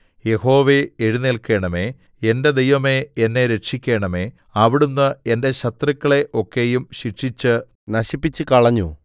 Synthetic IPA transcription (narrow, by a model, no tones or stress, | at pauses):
je̞ho̞ːʋe̞eɻinelke̞ːɳɐme̞ | ende̞d̪e̞jʋɐme̞enːe̞ɾeʂikʲːe̞ːɳɐme̞ | ɐʋiɽunːɨe̞nde̞ɕɐt̪rɐkʲːɐɭe̞ʔo̞kːe̞jumɕiʈʂit͡ɕːɨ | nɐɕipːit͡ɕːɨkɐɭɐɲːu